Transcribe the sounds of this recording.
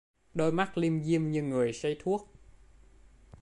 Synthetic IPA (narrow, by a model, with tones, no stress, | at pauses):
ɗo˧jma˦˥k̚li˧əmzi˧əmɲɨ˧ŋɨ˨˩əjsə˧jt̪ʰu˦˥ək̚